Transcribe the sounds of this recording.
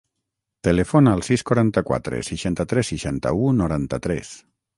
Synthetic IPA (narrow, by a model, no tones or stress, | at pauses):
t̪elefonaːlˠsiskwaɾant̪əkwa̰t̪ɾḛsiʃant̪ət̪ɾɛsːiʃant̪ə̰unuɾant̪ət̪ɾɛ̰s